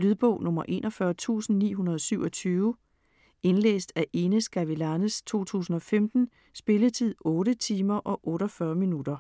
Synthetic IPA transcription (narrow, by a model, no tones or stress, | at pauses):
lyðˠb̥ɔʊ̰nɔ̽mɐʔe̝̰ːnʔɒfɶːɐt͡sʰṵːsn̩nḭːɦunɐð̞ˠɒsyʊɒ̽t͡sʰyːʊ | e̝nlḛːsd̥æʔe̝nəsɡ̥æʋilænəst͡sʰo̝̰ːt͡sʰṵːsn̩ɒ̽femd̥n̩ | sb̥e̝lət͡sʰið̰ˠɔ̽ːɾət͡sʰiːmɐʔɒ̽ʔɔ̽ːɾɒfɶːɐminud̥ɐ